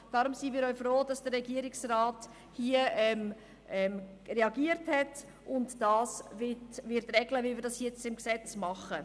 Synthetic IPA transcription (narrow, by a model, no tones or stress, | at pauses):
d̥ɑɾʊmsimiːɾɔʏfɾoːd̥ɑsd̥əɾːɛɡiəɾɪksrɑːt | hiəɛm | ʔɛm | rɛɑɡiəɾthɛt | ʔʊntd̥ɑːsvɪtvɪɾtrɛɡləvɪlviːɾdɑsjɛt͡sɪmksɛt͡smɑχə